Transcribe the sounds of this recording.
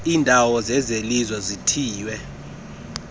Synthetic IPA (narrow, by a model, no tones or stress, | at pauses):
iːndʱawɔzɛzelizwɛzitʰiːwɛ